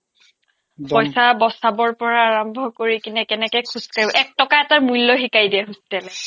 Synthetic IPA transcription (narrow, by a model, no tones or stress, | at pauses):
pɔjsabɔsabɔɹpɔɹaːɹɔmbʱɔkoɹikinɛkɛnɛkɛkʰuskaɹibɔʔɛk̚tɔkaɛtaɹmulːɔɦikajdiɛɦustɛlɛ